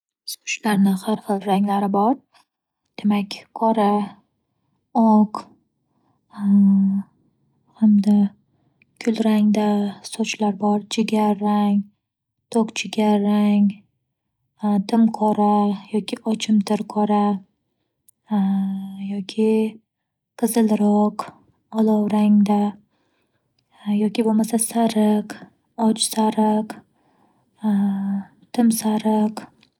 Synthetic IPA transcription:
so̥t͡ʃlaɾnɪχaɾχɨlˠɾaŋlaɾɪbɒɾ | d̪̥e̞makʲqʰɒɾa | ɒq | hamd̪a | kʰʊlɾaŋd̪asot͡ʃlaɾbɒɾt͡ʃʰɪɡʲaɾaŋ | t̪ʰokt͡ʃʰɪɡʲaɾaŋʲ | d̪ɪmqʰɒɾajɒkʲʰɪʔɒt͡ʃʰɪmt̪ʰɪɾqʰɒɾa | jɒkʲʰɪ | qʰɨzɨlɾɒq | ɒlˠɒwɾaŋd̪a | jɒkʲɪbomasasaɾɪq | ɒt͡ʃsaɾɪq | t̪ʰɪmsaɾɪq

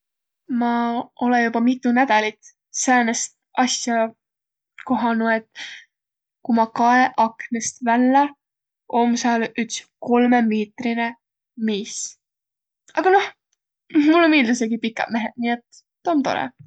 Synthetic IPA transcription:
mɑo̞lenjubɑmit̪ːˑunæd̪ɑlit̪ | sæːnest̪ | ʔɑsjɑ | ko̞ɦɑnuet̪ːˑ | kumɑkɑeʔɑknest̪vælːɛ | ʔo̞msɑːlyt̪sko̞lmemiːt̪rine | miːs | ɑɡ̥ɑno̞h | mulːomiːld̪us̬eɡipikːˑɑ̰d̪̥me̞ɦed̪̥̚niːe̞t̪ː | t̪oːmt̪o̞ɾḛ

